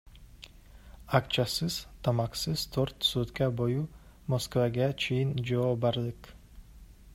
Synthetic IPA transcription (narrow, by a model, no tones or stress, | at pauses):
akt͡ʃʰasɪz̥t̪ʰamaqsɪz̥t̪ʰoɾt̪sut̪kʲaboju | moskvaɡʲat͡ʃʰijɪnd͡ʒaɒbaɾlɪk